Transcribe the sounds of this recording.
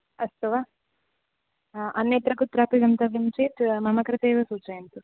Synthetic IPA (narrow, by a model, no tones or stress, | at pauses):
ɐst̪ɐʋa | ʔɐnːet̪ɾɐkut̪ɾaːpiɡɐnt̪ɐʋint͡ʃiʈ̪mɐmɐkɐɾɐt̪eːʋɐsuːt͡ʃɐjnt̪u